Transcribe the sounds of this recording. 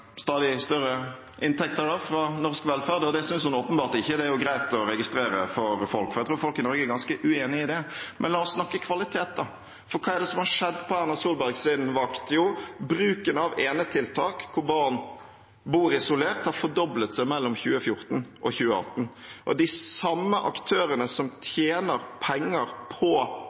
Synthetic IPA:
st̪ɑːd̪ɪst̪œɾə | ʔɪnt̪ʰɛkt̪əɾɖɔfɾɑnɔʁskʋɛlfæːʁd̪ɔd̪ɛæɪsʏnshʊnoːpənbɑːʁt̪ɪçːəd̪ɛæɾjʊɡɾæɪt̪ɔɾɛɡɪst̪ɾeːɾəfɔɾfɔlkfɔɾæt̪ɾuːɾfɔlkɪnɔɾɡəæɾɡɑnskəʔʉeːnɪɪd̪ɛmʔɛ̰nlɑːɔsːnɑkːəkʰʋɑlɪt̪ʰeːt̪̚d̪ɑ | fɔɾkʰɑːɛɾd̪ɛsɔmhɑɾʂɛd̪ːpʰɔhæɾnɔsuːlbæɾɡsɪnʋɑkt̪jʊbɾʉːkənɑʋeːnət̪ʰɪlt̪ʰɑːkkʰʊɾbɑɾn | buːɾɪsʊleːʁt̪hɑɾfɔɾd̪ɔblət̪sæɪmɛlːɔmçʉːəfjʊɾt̪nʔɔçʉːəɑ̰t̪ːn̩ʔɔd̪ɪsɑmːəʔɑkt̪ʰøːɾənəsɔmt̪ʰjeːnəɾpʰɛŋːəɾpʰɔ

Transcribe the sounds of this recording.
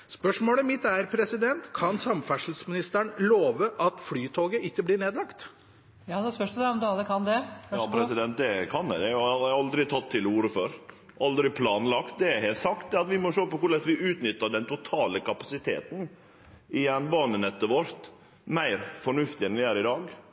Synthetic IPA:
spœʂmoːləmɪt̪ːæɾpʰɾɛsɪd̪ɛnt̪kʰɑnsɑmfæʂl̩smɪnɪst̪æɳloːʋəʔɑt̪flyːt̪ʰoːɡəʔɪkːəblɪːɳeːd̪lɑkt̪ | jɑsœd̪ɛɔmd̪ɑlːəkʰɑnd̪ɛɑpʰɾɛsɪd̪ɛnt̪̚d̪ɛkʰɑnæd̪ɛɑɑld̪ɾɪt̪ʰɑt̪ʰːɪluːɾəføɾ | ʔɑld̪ɾɪpʰlɑːnlɑkt̪̚d̪ɛæɾɦeːlt̪sɑkt̪d̪ɛɾɑt̪ʋɪmɔʂoːpɔkʊɭɛsʋɪʔʉːt̪nʏt̪ːəɖɛnt̪ʰʊt̪ʰɑːləkʰɑpɑsɪt̪ʰḛːt̪n̩ | ɪjɛnbɑːnənɛt̪ːəʋɔɾt̪ | mæɪɾfɔɳʉft̪ɪɛnʋɪæɾɪd̪ɑːɡ

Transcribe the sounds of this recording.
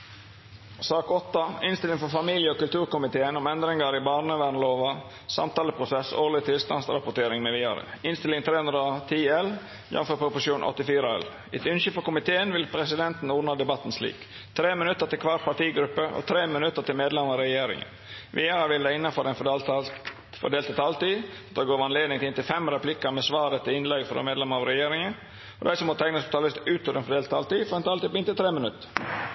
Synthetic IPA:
sɑːkɔt̪ːɑɪnst̪ɪlɪŋfɔfɑmiːljəɔːkʉlt̪ʰʉːɾkʊmɪt̪ʰeːənɔmɛnd̪ɾɪŋɑɾɪbɑːɳəʋæɳloːʋɑ | sɑ̰mt̪ɑːləpʰɾʊsɛso̰ːɭɪt̪ʰɪlst̪ɑ̰nsɾɑpʊʈ̪ʰeːɾɪŋmɛʋiːɑɾə̰ɪnst̪ɪlɪŋt̪ʰɾeːhʉnɾɑt̪ʰiːɛl | jɑ̰nføːpʰɾʊpʊʂjuːnʔɔ̰t̪ːɪfiːɾɑɛ̰l | ɛt̪ʉnʃəfɔkʊmɪt̪ʰeːənʋɪlpʰɾɛsɪd̪ɛnt̪n̩uːnɑd̪ɛbɑt̪ːn̩slḭːk | t̪ʰɾeːmɪnʉt̪ːəɾt̪ɪlkʰʋɑːpʰɑʈiːɡɾʉpːəʔɔ̰t̪ʰɾeːmɪnʉt̪ːəɾt̪ɪlmeːd̪lɛmɾɑɾɛjeːɾɪ̰ŋə̰ | ʋɪəɾɑʋɪld̪æɪɪnːɑfɔɾɛnfɔɖl | fɔ̰ɖ̪eːlt̪t̪ʰɑlt̪iː | t̪d̪ɑɡoːʋɑnleːd̪nɪŋt̪ɪɪnt̪ɪlfɛmɾɛpʰlɪkəmɛsʋɑːɾət̪ʰɪlɪnlɛɡfɔɾdɛ̰meːd̪lɛməɾɑʋɾɛjeːɾɪŋən | ɔd̪æɪsɔmɔt̪ʰæɪnəsʊt̪ʰɑlɪst̪ʉːt̪ɔd̪ɛnfɔɖ̪eːlt̪ʰːɑlt̪iːfɔɾɛnt̪ʰɑlt̪iːpɔɪnt̪ɪt̪ʰɾeːmənʉt̪ːə̥

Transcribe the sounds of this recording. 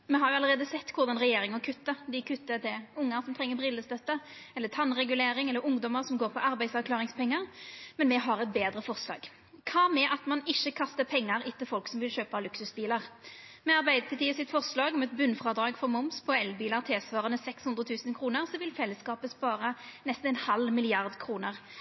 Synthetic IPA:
mɛɦɑɾjʊɑləɾʁeːd̪əsɛt̪ːkʰʊɾd̪ɑnʁɛjeːɾɪŋəʁkʰʉt̪ːəd̪ɪkʰʉt̪ːət̪ʰɪlʊŋːəɾsɔmt̪ʰʁɛŋːəbɾɪlːəst̪œt̪ːəɛlːət̪ʰɑnːʁɛɡʉleːɾɪŋɛlːəɾʊŋd̪ɔməʁsɔmɡoːʁpʰɔʔɑɾbæɪsɑʁklɑːʁɪŋspɛŋːəʁmɛnmɛɦɑɾɛt̪beːd̪ʁəfɔʁslɑ̰ːɡ | kʰɑːmɛʔɑt̪mɑnɪçːəkʰɑst̪əpʰɛŋːɑɾɪt̪ʰːəfɔlksɔmʋɪlɕøːpɑlʉksʉsbiːlɑʁ | mɛɑɾbæɪd̪ət̪ʰɪlt̪iːəsɪt̪fɔʁslɑːɡɔmɛt̪bʉnfʁɑːd̪ɾɑːɡfɔʁmʊmspʰɔɛlbiːlɑʁt̪ʰeːsʋɑːʁənəsɛkshʉnd̪ʁət̪ʰʉːsənkʰɾuːnəʁsɔʋɪlfɛlːəskɑːpəspɑːʁɑnɛst̪nɛnhɑlmɪlɪɑʁd̪kʰɾuːnəʁ

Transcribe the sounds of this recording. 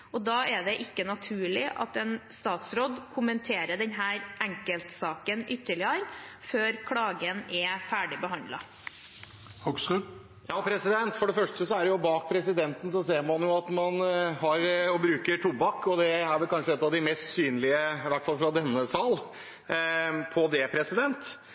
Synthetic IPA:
ɔd̪ɑːɛɖ̪ɛʔɪkːənɑt̪ʰʉːɭɪʔɑ̰t̪ɛnst̪ɑːt̪sɾɔd̪kʰʊmənt̪ʰeːɾəɖɛnɦæːɾʔɛŋkəlt̪sɑːkənʔʏt̪ːəɭɪəɾføːɾkʰɽɑːɡənɛfæːɖɪbəɦɑnd̪lɑ̰ | hksʉ | jɑːpʰɾɛsɪd̪ɛnt̪fɔɖɛfœʂʈəsɔæɾɖɛjʊbɑːk̚pʰɾɛsɪd̪ɛnt̪ən̩sɔseːɾmɑnjʊɑt̪mɑnɦɑɾɔbɾʉːkəɾʈʰubɑkːɔd̪ɛæɾʋɛlkʰɑnʂəɛt̪ɑʋd̪ɪmɛst̪syːnəlɪəɪʋæʈːfɑlfɾɑd̪ɛnːəsɑːl | pʰɔd̪ɛpʰɾɛsɪd̪ɛnt̪

